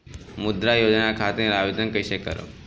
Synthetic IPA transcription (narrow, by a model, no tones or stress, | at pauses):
mud̪ɾajod͡ʒnakʰat̪ĩɾaʋid̪ənkəjɕekə̰ɾo̰